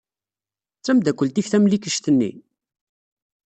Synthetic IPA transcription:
t͡sːæmd̪ækʷːəlt̪ifθæmlikəʃt̪ənːḭ

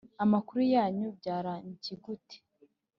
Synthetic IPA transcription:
amakuɾujaːɲubɟaːɾaɲciɡuti̥

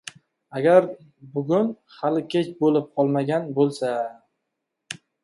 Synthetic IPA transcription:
aɡʲaɾ | bʊɡʲʊn | halɪkʲʰet͡ʃbolɪp̚qʰɒlˠmaɡʲanbolˠsa

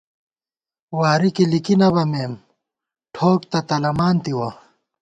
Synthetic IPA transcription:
waːɾikilikinɐβɐmeːm | ʈʰoːkt̪ɐt̪ɐlɐmaːnt̪iwɐ

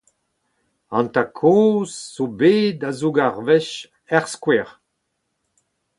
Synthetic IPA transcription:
ɑ̃nt̪akʰɔ̃ːz̥ːobeːd̪azoɡaʁvɛʃ | ɛʁskwɛʁ

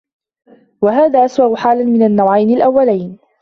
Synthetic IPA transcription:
waɦaːðaːʔaswaʔʊħaːlmɪnanːawʕajnɪlʔawːalajn

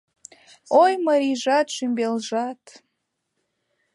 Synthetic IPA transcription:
ojmɐɾiʒɑt̪ʃymbelʒɑt̪

